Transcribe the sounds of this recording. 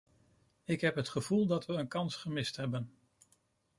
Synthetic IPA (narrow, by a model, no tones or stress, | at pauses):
ɪkɦɛpɦətχəv̥ulˠdɑtʋəːnkɑnsχəmɪstɦɛbən